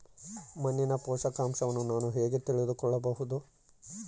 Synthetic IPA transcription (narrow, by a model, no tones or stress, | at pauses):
mɐnːinɐpɔːʂɐkaːmʃɐʋɐnːunaːnuɦe̞ːɡe̞t̪iɭid̪ukɔɭːɐbɐɦud̪u